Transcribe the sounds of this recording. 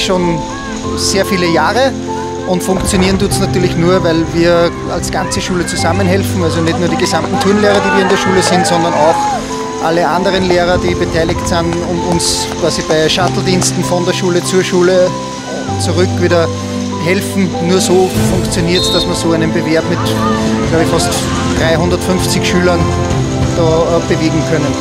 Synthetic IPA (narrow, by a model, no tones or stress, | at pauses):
ʃoːn | seːɐfiːləjaːʁə | ʔʊntfʊ̃ŋkt͡sjoniːɐəndutsnatyːɐlɪçnuːɐvæɪlviːɐ | alsɡ̥ant͡səʃuːlət͡suzamənɦɛlfn̩alzonɛtnuːɐɾiːɡəzamtn̩tʰyɐnleːʁɐdiːviːɐɪndːɐʃuːləsɪntsɔndɐnɑʊx | ʔaləʔãndəʁənleːʁɐd̥iːbətʰæɪlɪktsɪnʊntʊ̃ns | kv̥aːzib̥aɪʃatl̩diːnstn̩fɔndeːɐʃuːlət͡suːɐʃuːlə | t͡suʁʏkviːɾɐ | ɦɛlfn̩nuːɐsoːfʊ̃ŋkt͡sjoniːɐtsd̥asmiɐsoːæɪnənbeveɐbmɪtɡ̥lɑʊbəfɑst | d̥ʁaɪɦʊ̃ndɐtfʏnft͡sɪçʃyːlɐn | d̥ɑːb̥əveːɡŋ̩kʰœnən